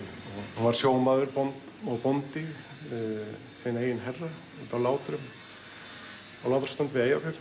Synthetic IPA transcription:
ɔɣhunvaɾ̥sjoːw̪maːðʏɾpɔnt̪ | ɔwpɔnt̪ɪ | seːjnaeːjɪnɦɛrːa | ɛnt̪awlaːwt̪ɾʏm | awlawt̪ɾ̥st̪ant̪vɪðeːjawkɛf

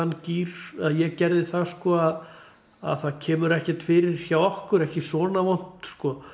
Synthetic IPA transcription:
anːciːɾaðjɛɣcɛɾðɪθaðskɔːað | a̰ðθaðcʰɛːmʏɾɛhcɛt̪fɪːɾɪɾ̥çawɔhkʏɾɛhcɪsɔːnavɔn̥t̪skɔ

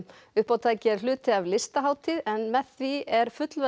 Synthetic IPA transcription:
ʏhpawt̪ʰaːjcɪɛɾ̥lʏːt̪ɪavlɪst̪aɦaːwt̪ʰiðɛnmɛðθviɛɾ̥fʏt̪lvɛ

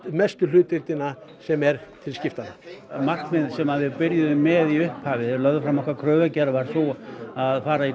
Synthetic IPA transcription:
mɛst̪ʏl̥ʏːt̪ɪɾt̪ɪna | sɛmɛɾt̪ʰɪlscɪft̪anːamar̥k̪mɪnsɛmaðvɪðpɪɾjʏðʏmɛðiʏhphaːvɪɾlœðʏfɾamɔhkvaɾkʰɾœːvacɛɾvaɾ̥θɔaðfaːɾai

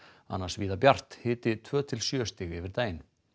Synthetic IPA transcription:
a̰nːaɾsviːðapjar̥t̪hɪːt̪ɪt̪ʰvœːt̪ʰɪlsjœːst̪ɪɣɛvɪɾt̪aːjɪn

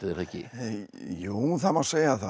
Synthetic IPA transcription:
ðɾɛcːɪ̰ | juːθamaseːjaθa

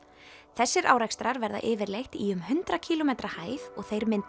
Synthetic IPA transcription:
θɛsːɪɾʔa̰ːwɾɛkst̪ɾaɾvɛɾða̰ʔɪːvɪɾlejxt̪iʏmɦʏnt̪ɾacʰiːlomejt̪ɾahaːjvɔɣθejɾmɪnt̪

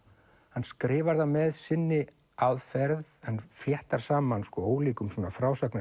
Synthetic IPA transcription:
hanːskɾɪːvaɾðamɛðsɪnːɪ | aðfɛɾðɛnfljɛht̪aɾ̥saːmanskvɔoːwliːkʏmsɔːnafɾaːwsakna

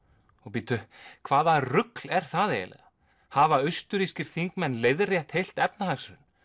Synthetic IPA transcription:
ɔɣpiːt̪ʏkʰvaːðarʏklɛɾ̥θaðḛlɛ̰ɣa | havaʏst̪ʏɾiscɪɾ̥θiŋkmɛnːlejðrjɛht̪hejl̥t̪ɛpnaɦaksɾʏn

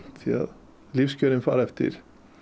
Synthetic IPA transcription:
t̪ʰɑ̰ | liːfskøːɾənfɑ̰ːɾɛft̪ə̰ɾ

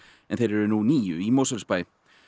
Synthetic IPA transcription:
ɛnθejɾɛɾʏnuniːjʏimowsalspajɪ

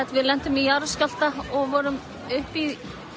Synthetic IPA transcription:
t̪vɪðlɛn̥t̪ʏmiaɾscal̥t̪aɔɣvɔːɾʏm | ʏhpið

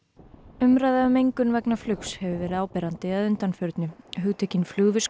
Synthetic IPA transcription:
ʏmɾajðaʏmejŋkʏnvɛknaflʏkshɛvʏvɛːɾɪðaːwpɛːɾant̪ɪaðʏnt̪anfœɾt̪nɪɦʏɣt̪ʰɛcɪnflʏɣvɪs

